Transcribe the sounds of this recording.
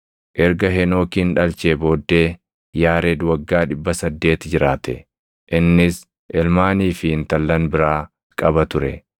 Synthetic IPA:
ʔɛɾɡɐɦɛno̞ːkiːnᶑɐlt͡ʃeːbo̞ːd̪ːeː | jaːɾɛd̪wɐɡːaːᶑɪbːɐsɐd̪ːe̞ːt̪d͡ʒɪɾaːt̪ɛ̰ | ʔɪnːɪs | ʔɛlmaːniːfɪɪnt̪ɐlːɐnbɪɾaː | kʼɐbɐt̪ʊɾɛ

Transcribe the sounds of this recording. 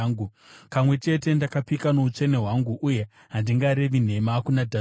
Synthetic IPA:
ŋɡu | kamwe̞t͡ʃe̞te̞ndakapikanout͡ʂe̞ne̞ɦwaŋɡuʔuje̞ | ɦandiŋɡaɾe̞ʋin̤e̞makunadʱa

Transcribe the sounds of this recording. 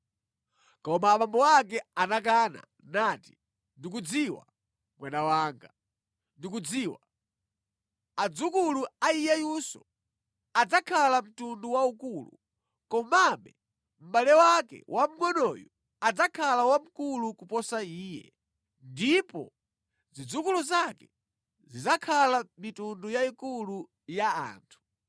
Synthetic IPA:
kɔmaːɓambɔwak̬ɛanak̬ana̰ | nati̥ | ndik̬ud͡ziwa̰ | mwanawaːŋɡa | ndik̬ud͡ziːwa | ad͡zukuluaijɛjusɔ̰ | ad͡zakʰalam̩tunduwaukulṵ | kɔmamɛ | m̩ɓalɛwakɛ̰wʔam̩ŋɔnɔjɔ | ad͡zakʰalawam̩kulukupɔsaiːjɛ̰ | ndipɔ̰ | zid͡zukuluzakɛ | zizakʰalamitundujaikulu | jaa̰ːntʰu̥

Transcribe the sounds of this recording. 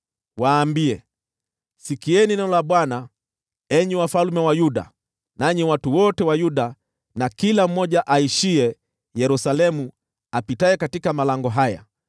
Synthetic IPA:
waːmbiɛ | sikiɛninɛɔlaɓwana | ɛɲiwafalmɛwajuɗa̰ | naɲiwatuwɔtɛwajuɗa | nakilam̩mɔʄaʔaiʃiɛ | jɛɾusalɛmu | apitaɛkatikamalaŋɡɔɦaja̰

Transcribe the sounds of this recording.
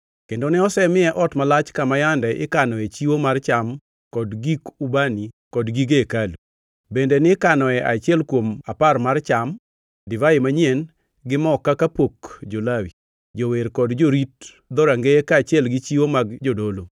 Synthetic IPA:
kendonɪɔsɛmɪɛʔɔtmalat͡ʃkamajandɛʔɪkanɔɛt͡ʃiwomart͡ʃam | kɔdɡikubanikɔdɡiɡekalu | bendenɪkanɔɛʔat͡ʃɪɛlkwomaparmart͡ʃam | dɪvajemaɲɛn | ɡɪmɔkːakapokd͡ʒolawi | d͡ʒoweɾkɔdd͡ʒoɾit̚ | d̪ɔɾaŋɡeɛkat͡ʃɪɛlɡɪt͡ʃiwomaɡd͡ʒodolo

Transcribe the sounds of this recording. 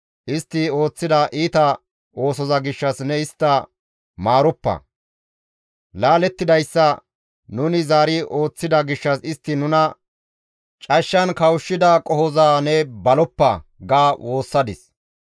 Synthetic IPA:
ʔɪst̪ːɪo̞ːt͡sːɪd̪aːʔiːt̪ɐ | o̞ːsɔzɐɡɪʃːɐsnɛɪst̪ːɐ | maːɾɔpːɐ̰ | laːlɛt̪ːɪd̪ɐjsːɐ | nʊnɪzaːɾɪʔo̞ːt͡sːɪd̪ɐɡɪʃːɐsɪst̪ːɪnʊnɐ | t͡ʃʼɐʃːɐnkɐwʊʃːɪd̪akʼɔhɔzaːnɛbɐlɔpːɐ̰ɡaːwʔo̞ːsːɐd̪ɪs

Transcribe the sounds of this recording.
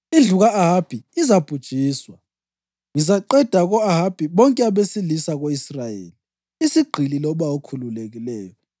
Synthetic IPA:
ind͡ɮʱuɣaːɦab̥ʱiizab̥ʱud̥ʒ̥ʼʱiːswa | ŋizaǃɛd̥ʱaɣɔaɦab̥ʱiβɔŋkʼɛaβesilisaɣoisrajḛːli | isiɡ͡ǃʱililɔβawokʰululeɣilɛːjɔ

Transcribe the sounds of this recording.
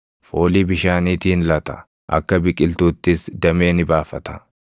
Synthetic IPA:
fo̞ːliːbɪʃaːniːt̪iːnlɐt̪ɐ̥̰ | ʔɐ̰kːɐbɪkʼɪlt̪uːt̪ːɪsd̪ɐme̞ːnɪbaːfɐt̪ɐ̥

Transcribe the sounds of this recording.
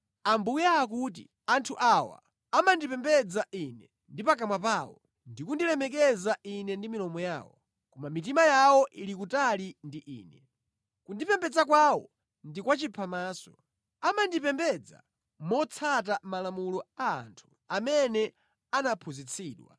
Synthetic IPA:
ambujaːk̬ut̬ḭ | antʰuʔawa̰ | amandipɛmbɛd͡zaʔinɛ | ndipak̬amwap̬aːwɔ̰ | ndikundilɛmɛk̬ɛzaʔinɛndimilɔmɔja̰ːwɔ | kɔmamit̬imajawɔʔilikutalindiʔḭːnɛ | kundipɛmbɛd͡zak̬wawɔ̰ | ndikwat͡ʃipʰamaːsɔ | amandipɛmbɛd͡za̰ | mɔt͡sʰat̬amalamulɔa̰ːntʰu̥ | amɛnɛ | anapʰuzit͡sʰiːɗwa̰

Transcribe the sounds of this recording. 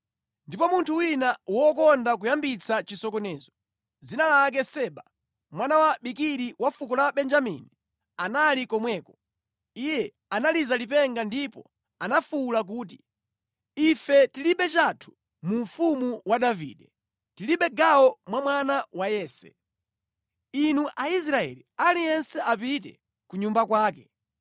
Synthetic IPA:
ndipɔmuntʰuwinawɔkɔndak̬ujambit͡sʰat͡ʃisɔkɔnɛːzɔ | d͡zinalak̬ɛsɛːɓa | mwanawaɓikiɾiwafukɔlaɓɛnd͡ʒamḭni | analikɔmwɛːkɔ | ijɛ | analizalip̬ɛŋɡandipɔ̰ | anafuːlak̬uːt̬i | ifɛtiliɓɛt͡ʃatʰu̥ | muɱfumuwaɗavḭːɗɛ | tiliɓɛɡawɔmwamwanawajɛːsɛ̰ | inuʔais̬ɾaɛ̰lialijɛnsɛapit̬ɛ̰ | kuɲumbakwaːkɛ

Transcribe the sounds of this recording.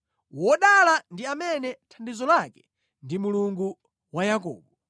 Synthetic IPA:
wɔɗalandiamɛnɛtʰandizɔlakɛ̥ | ndimuluŋɡu | wajak̬ɔ̰ːɓɔ

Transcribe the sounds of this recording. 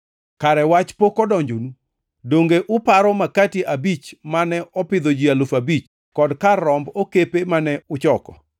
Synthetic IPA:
kaɾɛwat͡ʃpokɔdɔɲd͡ʒonu | doŋɡeʔʊpaɾɔmakatiʔabit͡ʃmanɛʔɔpɪd̪od͡ʒialofabit͡ʃ | kɔdkaɾɔmbokepemanɛʊt͡ʃɔkɔ̰

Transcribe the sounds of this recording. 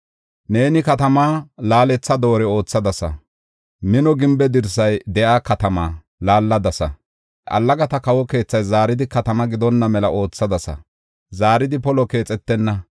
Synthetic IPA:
ne̞ːnɪkɐt̪ɐmaːlaːlɛt͡sːɐd̪o̞ːɾɛo̞ːt͡sːɐd̪ɐsɐ̰ | mɪnɔɡɪmbɛd̪ɪɾsɐjd̪ɛʔaːkɐt̪ɐmaː | laːlːɐd̪ɐsɐ̰ | ʔɐ̰lːɐɡɐt̪ɐkɐwɔke̞ːt͡sːɐjzaːɾɪd̪ɪkɐt̪ɐmɐɡɪd̪ɔnːɐmɛlɐʔo̞ːt͡sːɐd̪ɐsɐ̰ | zaːɾɪd̪ɪpɔlɔke̞ːt͡sʼɛt̪ːɛnːɐ

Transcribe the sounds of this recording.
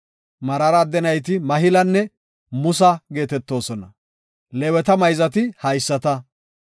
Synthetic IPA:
mɐɾɐɾɐd̪ːɛnɐjt̪̬ɪmɐɦɪlɐnːɛ | mʊsɐɡe̞ːt̪ɛt̪ːo̞ːsɔnɐ | lɛwɛt̪ɐmɐjzɐt̪ɪhɐjsːɐt̪ɐ

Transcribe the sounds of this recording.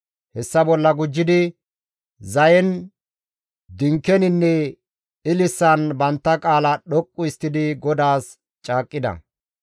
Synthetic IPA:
hɛsːɐbɔlːɐɡʊd͡ʒːɪd̪ɪ | zɐjɛn | d̪ɪŋkːɛnɪnːɛ | ɪlɪsːɐnbɐnt̪ːɐkʼaːlɐɗɔkʼːʊɪst̪ːɪd̪ɪɡɔd̪aːs | t͡ʃʼaːkʼːɪd̪ɐ̰

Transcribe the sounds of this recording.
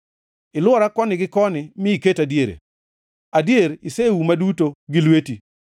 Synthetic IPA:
ɪlwɔɾakɔnɪɡɪkɔnɪmɪiketadjeɾḛ | adjeɾɪsewumadutoɡɪlweti

